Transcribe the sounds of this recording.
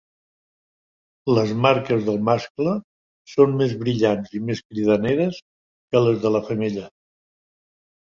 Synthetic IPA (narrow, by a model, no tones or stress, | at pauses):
ləzmaɾkəzðəlˠmasklə | sommezβɾiʎanzimeskɾiðəneɾəs | kələzðələfəmeʎə